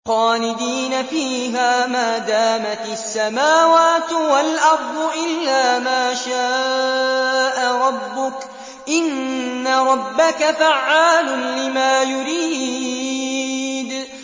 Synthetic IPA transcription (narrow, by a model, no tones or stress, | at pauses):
xɑːlɪd̪iːnafiːɦaːmaːd̪aːmat̪asːamaːwaːt̪walʔɑɾˤd̪ˤʊʔɪlːaːmaːʃaː | ʔaɾˤɑbːʊk | ʔɪnːaɾˤɑbːakafaʕːaːlʊlɪmaːjʊɾiː | d̪